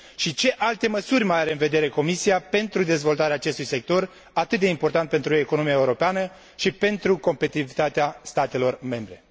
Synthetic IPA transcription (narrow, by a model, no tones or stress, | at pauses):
ʃit͡ʃe̞ʔalt̪e̞məsurʲmaaɾeɨnve̞d̪e̞ɾe̞ko̞misiape̞nt̪ɾud̪e̞zvo̞lt̪aɾeaːt͡ʃe̞st̪ujse̞k̚t̪o̞r | at̪ɨt̪̚d̪e̞impo̞rt̪ant̪pe̞nt̪ɾue̞kono̞miaeuɾo̞peanə | ʃipe̞nt̪ɾuko̞mpe̞t̪iiivit̪at̪east̪at̪e̞lo̞rme̞mbɾe̞